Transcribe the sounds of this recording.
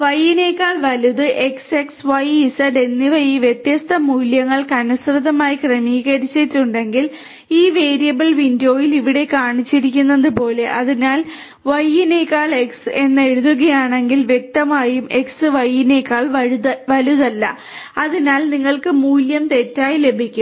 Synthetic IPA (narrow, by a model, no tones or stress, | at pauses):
ʋɐjːine̞ːkːaːɭʋɐluðɨʔe̞kse̞ksʋɐjisɐɖe̞nːiʋɐjiːʋjet̪jɐst̪ʰɐmuːljɐŋːɐɭkɐnusrɨðːɐmaːjikremiːɣɐɾit͡ɕːitːuɳɖe̞ŋɡil | iːʋe̞ːɾijɐbɐɭʋindo̞ːjiliʋiɽe̞kaːɳit͡ɕːiɾikʲːunːɐðɨpo̞ːle̞ʔɐðinaːl | ʋɐjːineːkːaːɭeksɨe̞nːɨe̞ɻuðuɣɐjaːɳe̞ŋɡilʋje̞k̚t̪ɐmaːjume̞ksɨʋɐjːinekːaːɭʋɐluðɐlːɐ̰ | ɐðinaːlniŋːɐɭkɨmuːljɐmt̪e̞tːaːjile̞bʱikʲːum